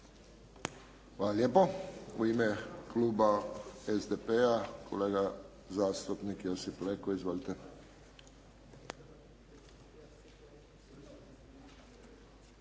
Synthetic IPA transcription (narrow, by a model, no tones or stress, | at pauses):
xʋaːlaljeːpoṵimekluːbaezd̪epeakʰoleːɡa | zaːst̪upnikjosiplekoizʋolit̪e